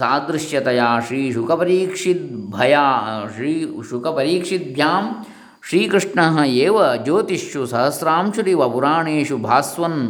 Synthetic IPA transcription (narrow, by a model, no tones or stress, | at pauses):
saːd̪ɾɪʃjɐt̪ɐjaːʃɾiːʃukɐpɐɾiːkʂit̪̚bʱɐjaːiːʃukɐpɐɾiːkʂit̪̚bʱjaːm | ʃɾiːkɾɪʂɳɐɦɐ̆eːʋɐd͡ʒoːt̪iʃjusɐɦɐsɾaːmʃuɾiʋɐpuɾaːɳeːʂubʱaːsʋɐn